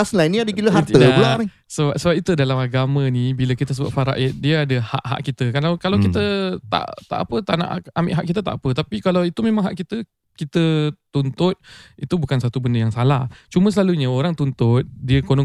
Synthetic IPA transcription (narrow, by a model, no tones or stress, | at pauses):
aslainiadəiləɦat̪ədula | səbap̚səbap̚it̪udalamaɡamə̃nibiləkit̪əsəbua̰ʔfaɾa̰ʔɪt̪̚diəadəha̰ʔɦa̰ʔkit̪əkalawkalawkit̪ət̪a̰ʔt̪a̰ʔapət̪aʔna̰ʔamɪʔɦaʔkit̪ət̪a̰ʔapət̪apikalawit̪umẽmãŋɦaʔkit̪ə | kit̪ət̪unt̪ʊt̪̚it̪ubukansat̪ubəndəjaŋsalaht͡ʃumə̃səlaluɲəoɾaŋt̪unt̪ʊt̪̚diəkonɔ